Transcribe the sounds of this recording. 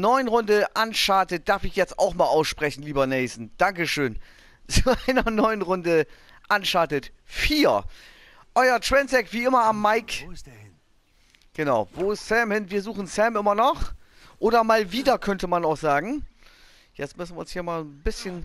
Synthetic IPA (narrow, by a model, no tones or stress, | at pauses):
nɔʏənʁʊndəʔanʃaɐtət̚d̥aɐfɪçjɛt͡sta̰ʊxmaːlʔaʊsʃpʁ̥ɛçn̩liːbɐnɛɪsn̩d̥aŋkəʃøːn | t͡suʔaɪnɐnɔʏənʁʊndə | ʔanʃaɐtətfiːɐ | ʔɔʏɐtv̥ɛnsɛkv̥iːʔɪmɐamːaɪkɪn | ɡ̥ənaʊvoːɪstsɛmhɪnviːɐzuːχn̩sɛmʔɪmɐnɔχ | ʔoːdɐmaːlviːdɐkʰœntəmanaʊxz̥aːɡŋ̩ | jɛt͡stmʏsn̩vʲiɐʊnshiːɐmaːlbɪsçən